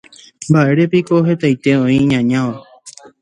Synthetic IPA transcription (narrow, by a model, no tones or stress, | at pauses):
mbaʔe̞ɾe̞piko̞ɦe̞t̪ajt̪e̞õĩɲãɲãʋa